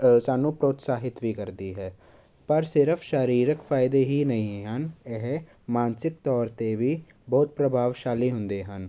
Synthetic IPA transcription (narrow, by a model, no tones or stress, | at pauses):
saːnũːpɾoːt̪saːɦɪt̪ʋiːkəɾd̪iːɦɛː | pəɾsɪɾəpʰʃəɾiːɾəkfʰaːɪd̪eːɦiːnəɦĩɦənɛɦ | mãːnsɪk̚t̪ɔːɾt̪eʋiː | bɔːt̪̚pɾəbʱaːʋʃaːliːɦʊ̃nd̪eːɦən